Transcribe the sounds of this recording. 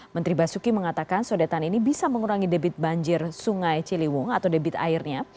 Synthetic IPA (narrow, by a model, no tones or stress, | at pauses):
mənt̪ɾibasukiməŋat̪akansodat̪aninibisaməŋuɾaŋidebɪt̪̚baɲd͡ʒɪrsuŋajt͡ʃiliwʊŋat̪awdebɪt̪a̰irɲa